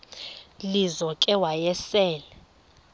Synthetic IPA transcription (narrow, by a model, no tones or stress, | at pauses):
lizɔkʼɛwajɛsɛːlɛ